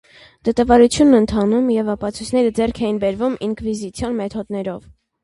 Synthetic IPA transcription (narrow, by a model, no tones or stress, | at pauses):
d̪̥ət̪ɑvɑɾut͡sʰjunːənt̪ʰɑnumjɛvɑpɑt͡sʰujt͡sʰnɛɾəd͡zɛrkʰɛjinbɛɾvumiŋkʰvizit͡sʰjɑnmɛt̪ʰɔd̪nɛɾɔv